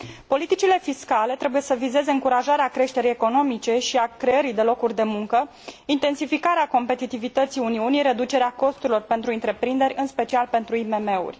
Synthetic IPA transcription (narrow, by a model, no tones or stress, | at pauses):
po̞lit̪it͡ʃile̞fiskale̞t̪ɾe̞buje̞səvize̞ze̞ɨŋkuɾaʒaɾeakɾe̞ʃt̪e̞ɾijeko̞no̞mit͡ʃe̞ʃiakɾe̞əɾid̪e̞lo̞kurʲd̪e̞muŋkə | int̪e̞nsifikaɾeako̞mpe̞t̪it̪ivit̪ət̪siuniunijɾe̞d̪ut͡ʃe̞ɾeako̞st̪uɾilo̞rpe̞nt̪ɾuɨnt̪ɾe̞pɾind̪e̞ɾʲɨnspe̞t͡ʃialpe̞nt̪ɾuime̞me̞ṵrʲ